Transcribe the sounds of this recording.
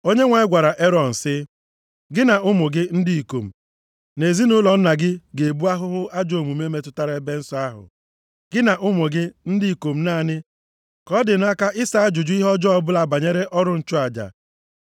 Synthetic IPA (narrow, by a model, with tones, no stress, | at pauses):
o˦ɲe˦ŋʷa˨ɪ˦ɡʷa˨ɾa˨ʔe˦ɾɔ˨n̩˨sɪ˦ | ɡɪ˦na˨ʊ˦mʊ˨ɡɪ˦n̩˦di˦i˨ko˨m̩˨ | ne˨zi˦nʊ˦lɔ˨n̩˦na˨ɡɪ˦ɡe˨bu˦a˦ɦʊ˦ɦʊ˦a˦d͡ʒo˨mu˨me˦me˦tʊ˦ta˦ɾa˦e˦be˦n̩˦sɔ˦a˦ɦʊ̰˨ | ɡ̥ɪ˦na˨ʔʊ˦mʊ˨ɡɪ˦n̩˦dɪ˦i˨ko˨m̩˦na˦˨nɪ˦ | kɔ˦dɪ˨na˦ka˦ʔɪ˦sa˦a˦d͡ʒʊ˨d͡ʒʊ˦i˦ɦɔ˦d͡ʒɔ˦ɔ˦bʊ˦la˨ba˨ɲe˦ɾe˦ʔɔ˦ɾʊ˦n̩˨t͡ʃʊ˦a˨d͡ʒa̰˨